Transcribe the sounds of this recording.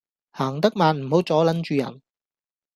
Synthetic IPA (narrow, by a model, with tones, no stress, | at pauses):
haː˨˩ŋt̪ɐ˥k̚maː˨˧nm̩˨˩ho˨˥wt͡sɔː˨˥lɐ˨˥nt͡ʃyː˨˧jɐ̰˨˩n